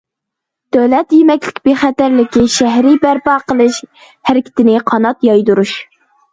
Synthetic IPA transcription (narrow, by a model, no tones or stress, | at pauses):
d̪̥øwlɛt̪jemɛkʲlɪ̥kʲbeχæt̪æɾlɪkʲiʃæɦɾɪbæɾpɑːqəlˠɨʃ | hæɾɪkʲʰɪ̥t̪ʰɪnɪqʰɑnɑt̪jɑjd̪uɾuʃ